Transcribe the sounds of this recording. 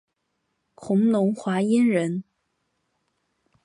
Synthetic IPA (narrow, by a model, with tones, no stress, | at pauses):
kʰʊ˧˥ŋnʊ˧˥ŋxwa˧˥i˥nɻə˧˥n